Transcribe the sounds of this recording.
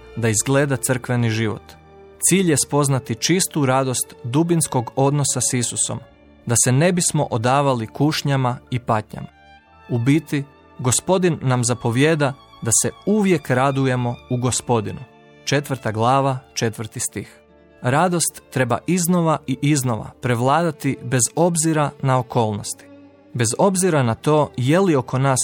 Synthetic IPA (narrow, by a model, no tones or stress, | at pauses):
d̪aizɡle̞ːd̪at̪sr̩kʋe̞niʒiʋo̰t̪ | t̪siːʎje̞spo̞znat̪it͡ʃist̪uɾad̪o̞st̪d̪ubinsko̞ɡo̞d̪nosasisusom | d̪ase̞ne̞bismo̞ʔod̪aːʋalikuʃɲamaipat̪ɲa̰ma | ubit̪i | ɡo̞spo̞d̪inːamzapo̞ʋje̞ːd̪ad̪ase̞uʋje̞kɾad̪uje̞mo̞uɡo̞spo̞d̪inu | t͡ʃe̞t̪ʋr̩t̪aɡlˠaːʋat͡ʃe̞t̪ʋɾt̪ist̪ix | ɾad̪o̞st̪ːɾe̞ba̰ʔizno̞ʋaʔiʔizno̞ʋa̰pɾe̞ʋlˠaːd̪at̪ibe̞zo̞bziɾanaoko̞ːlˠno̞̰st̪i̥ | be̞zo̞bziɾanat̪o̞ːje̞lio̞ko̞naːs